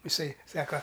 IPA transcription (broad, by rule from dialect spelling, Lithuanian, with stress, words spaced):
ɪˈsɐɪ ˈsɑːkɐ